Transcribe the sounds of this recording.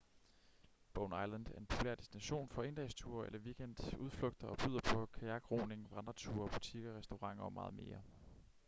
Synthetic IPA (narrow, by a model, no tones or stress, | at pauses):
b̥ɔʊnɑɪlænd̥æɐe̝npʰo̝pʰulḛɐd̥e̝sd̥inæɕo̝̰ːnfɒ̽e̝nd̥ɛɪst͡sʰuːɐelɐʋiɡ̥en̰d̥uð̞ˠfløɡ̥̚d̥ɐɒ̽b̥y̰ðˠɐpʰɒ̽kʰæjɑ̈ɡ̥ʁo̝̰ne̝ŋʋʁɑnd̥ʁɐt͡sʰṵːɐb̥ut͡sʰiɡ̥ɒʁɛsd̥o̝ʁɑ̈ŋ̰ɒ̽mɑ̈ːð̞̩ˠme̝ːɐ